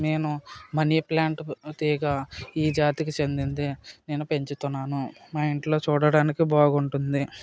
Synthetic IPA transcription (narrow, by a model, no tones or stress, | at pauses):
ne̞ːnumɐniplaːɳʈt̪iːɡaiːd͡ʒaːt̪ikit͡ʃe̞nd̪ind̪ene̞ːnupe̞ɲt͡ʃut̪unːaːnumɐjiɳʈlo̞ːt͡ʃuːɽɐɽaːnikibaːɡuɳʈund̪i